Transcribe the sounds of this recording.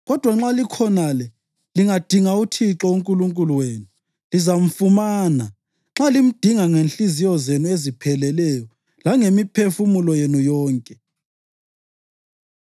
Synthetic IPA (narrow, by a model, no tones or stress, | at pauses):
ɣɔd̥ʱwaŋ͡ǁalikʰɔnalɛ | liŋad̥ʱiŋautʰiǁɔuŋkʼuluŋkʼuluweːnu | lizam̩fumaːna | ŋ͡ǁalim̩d̥ʱiŋaŋenɬizijɔzenuezipʰɛlɛlɛjɔ | laŋemipʰefumulɔjenujɔːŋkʼɛ